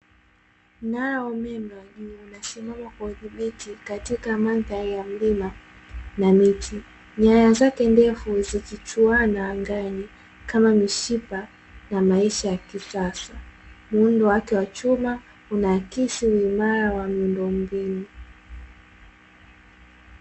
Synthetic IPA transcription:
naɾaɔmɛmɛwaʄuːnasimamakauθiɓitikatikamanθaɾijam̩lima | namitʰi | ɲajazakɛndɛfuzikit͡ʃuanaːŋɡaɲi | kamamiʃipa | namaiʃajakisasamuundɔwakɛwat͡ʃuma | unaːkisiwimaɾawamiundɔm̩binu

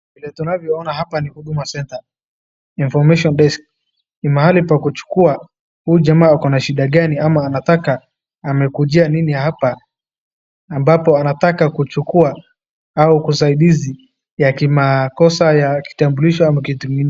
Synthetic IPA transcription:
vilɛtunavjɔɔnaɦapanihuɗumasɛnta | infɔmɛʃɔnɗɛsk | nimaɦalipakut͡ʃu̥kua | huʄamaːakɔnaʃiɗaɠaniamaːnatakaː | mɛkuʄianiniahɦapa | mbapɔanatakakut͡ʃukua | aukusaiɗizi | jakimakɔsajaki̥tambuliʃɔamakitumi

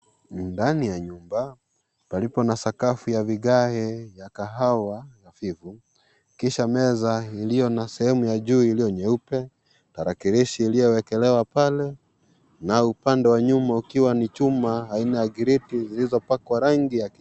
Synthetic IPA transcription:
ndanijaɲumba | palipɔnasakafujaviɠahɛjakaɦawajafivu | kiʃamɛzailijɔnasɛhɛmujaʄuːilijɔɲɛupɛ | taɾakiɾiʃiːlijɔwɛkɛlɛwapalɛ | naupandɛwaɲumaukiwanit͡ʃumaːinajaɡiɾitizilizɔpakwaɾaŋɡijak

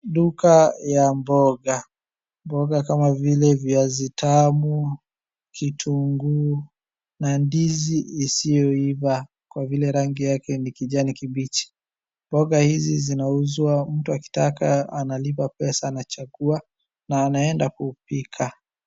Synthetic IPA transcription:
ɗukajambɔɡa | mbɔɡakamavilɛviazitʰamu | kʰitʰuŋɡu | nandiziːsijɔiva | kwavilɛɾaŋɡijakɛnikiʄanikiɓit͡ʃi̥ | mbɔɡahizizinauzwam̩tuaki̥takaanalipapɛsaːnat͡ʃaɡua | naːnaɛndakupikʰa

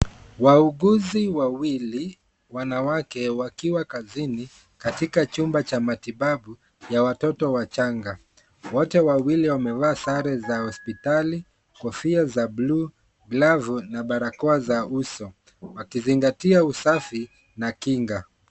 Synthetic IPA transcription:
wauɠuziwawili | wanawakɛwakiwakazini | katikat͡ʃumbat͡ʃamatiɓaɓu | jawatɔtɔwat͡ʃaŋɡa | wɔtɛwawiliwamɛvaːsaɾɛzahɔspitali | kɔfiazabluː | ɡlavunaɓaɾakɔazausɔ | wakiziŋɡatiausafi | nakiŋɡa

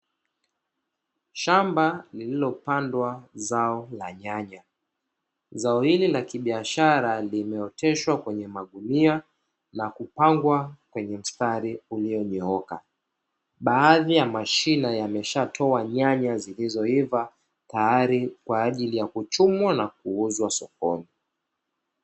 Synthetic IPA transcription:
ʃambalililɔpandwazaɔlaɲaɲa | zaɔhililakiɓiaʃaɾalimɛɔtɛʃwakwɛɲɛmaɠunia | nakupaŋɡwakwɛɲɛm̩staɾiuliɔɲɔɔka̰ | ɓaːðijamaʃinajamɛʃatʰɔaɲaɲazilizɔiva | tajaɾikwaːʄilijakut͡ʃumwanak̚uuzwasɔkɔni

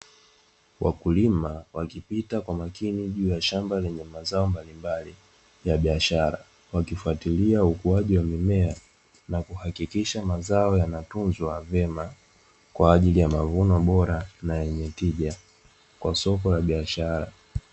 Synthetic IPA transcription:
wʔa̰kulimawakipitakwamakiniʄuːjaʃambalɛɲɛmazaɔmbalimbali | jaɓiaʃaɾa | wakifuatiliaukuaʄiwamimɛa | nakuhakikiʃamazaɔjanatunzwavɛma | kwaːʄilijamavunɔɓɔɾanajɛɲɛtiʄa | kwasɔkɔlaɓiaʃaɾa̰

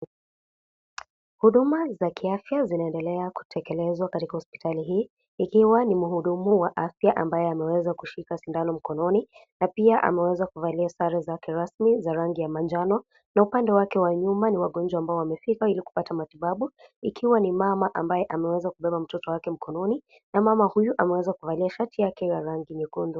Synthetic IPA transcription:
huɗumazakʰiafjazinaɛndɛlɛaku̥tʰɛkɛlɛzwakatikahɔspi̥taliɦiː | ikiwanimuhuɗumuwaʔafjaʔambajɛamɛwɛzakuʃikasindanɔm̩kɔnɔninapiaʔa̰mɛwɛzakuvaliasaɾazakɛɾasmizaɾaŋɡijamand͡ʒanɔ | naupandɛwakɛwaɲumaniwaɠɔnd͡ʒwaːmbaɔwamɛfikailiku̥patamatiɓaɓuikʰiwanimamaʔambajɛʔamɛwɛzakuɓɛɓam̩tɔtɔwakɛm̩kʰɔnɔni | namamahujuʔamɛwɛzakuvaliaʃatijakɛjaɾaŋɡimikundu

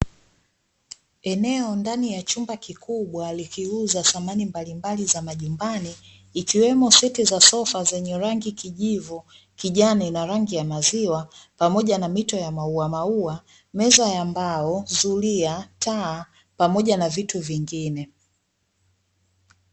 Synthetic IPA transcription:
ɛnɛɔndanijat͡ʃumbakikʰuɓwalikiuzasamanimbalimbalizamaʄumbaniː | kiwɛmɔsɛtizasɔfazɛɲɛɾaŋɡikiʄivu | kiʄaninaɾaŋɡijamaziwapamɔʄanamitɔjamauamaua | mɛzajambaɔzuliataː | pamɔʄanavituviŋɡinɛ

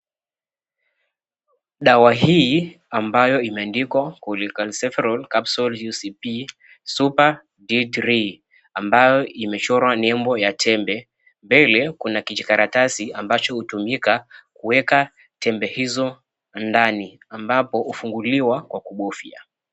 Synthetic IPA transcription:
ɗawaɦi | ambajɔimɛandikwakulikalsɛfɛɾɔlkapsɔljusipi | supa | didɾi | ambajɔimɛt͡ʃɔɾwanɛmbɔjatʰɛmbɛ | mbɛlɛkunakid͡ʒikaɾatasiambat͡ʃɔhutumikakuwɛka | tʰɛmbɛhizɔ | ndani | ambapɔufuŋɡuliwakwakuɓɔfia̰

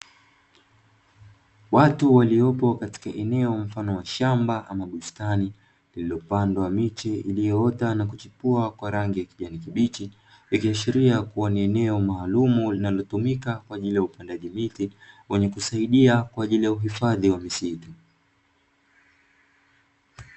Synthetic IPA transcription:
watuwaliɔpɔkati̥kaʔɛnɛɔm̩fanɔwaʃambaʔamaɓustani | lililɔpandwamit͡ʃɛiliɔɔtanakut͡ʃipuakwaɾaŋɡijakiʄanikiɓit͡ʃi | wikiaʃiɾiakuwaniɛnɛɔmaːlumulinalɔtumikakwaːʄilijaupandaʄimitiwɛɲɛkusaiɗiakwaːʄilijauɦifaðiwamisitu

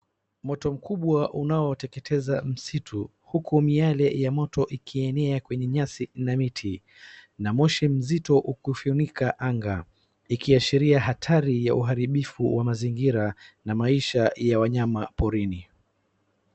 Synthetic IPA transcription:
mɔtɔm̩kuɓwaʔunaɔtɛkɛtʰɛzam̩sitʰu | hukumialɛjamɔtɔʔikʰiɛnɛakwɛɲɛɲasinamitʰi | namɔʃim̩zitɔʔukufunikaʔaŋɡa | ikiaʃiɾiaɦatʰaɾijaʔuɦaɾiɓifuwamaziŋɡiɾanamaiʃajawaɲamapɔɾini

